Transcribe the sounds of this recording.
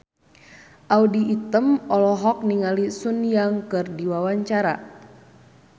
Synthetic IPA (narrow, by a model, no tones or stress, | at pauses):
ʔaudiːt̪əmɔlɔɦɔk̚niŋalisunijaŋkɨrdiwawaɲt͡ʃaɾa̰